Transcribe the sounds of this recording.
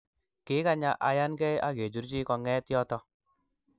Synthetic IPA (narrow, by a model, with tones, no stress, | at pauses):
kɪ˦ka˦ɲa˦ʔa˨ja˦nkɛ˦ja˦ke˨d͡ʒu˨˦ɾt͡ʃi˦kɔ˨ŋɛ˦tjɔ˦tɔ˦